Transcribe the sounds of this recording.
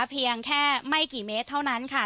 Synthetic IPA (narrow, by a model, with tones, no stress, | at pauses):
pʰi˧əŋkʰɛː˥˩ma˥˩jkiː˨˩meː˦˥t̪ʰːa˥˩wna˦˥nkʰa˥˩